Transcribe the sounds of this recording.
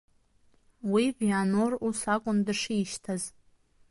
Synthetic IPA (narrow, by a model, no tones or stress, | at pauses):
wivjanorusakʷʼʊndɨʂiːʃtʰaz